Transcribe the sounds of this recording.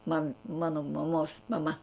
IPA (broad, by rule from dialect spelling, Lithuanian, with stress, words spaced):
mɐn ˈmɑːnoː mɐˈmoːs mɐˈmɐ